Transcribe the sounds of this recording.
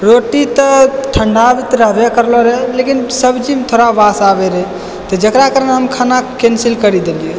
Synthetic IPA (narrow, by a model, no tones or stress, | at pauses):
ɾoʈit̪əʈʰəɳɖabit̪ɾəɦbekəɾlɔɾɛlekinsəbd͡ʒimet̪ʰoɾabasabeɾɛ | t̪ɔd͡ʒəkɾakəɾənɦəmkʰanakensilkəɾid̪elie